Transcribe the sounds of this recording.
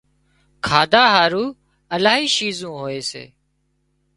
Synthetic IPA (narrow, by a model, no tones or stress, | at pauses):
kʰaːd̪aːɦaːɾuː | əlaːɦiːʃiːzũːɦoːeːsḛː